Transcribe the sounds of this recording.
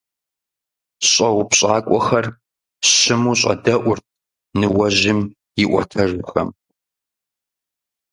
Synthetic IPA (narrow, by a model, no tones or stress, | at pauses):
ɕʼɐwpɕʼaːkʷʼɔxɐr | ɕɪmuːɕʼɐ̰dɐʔʷʊrt̚ʰ | nɨwɐʑɪm | jɪʔʷɔ̰tʰɐʒʊxɐ̰m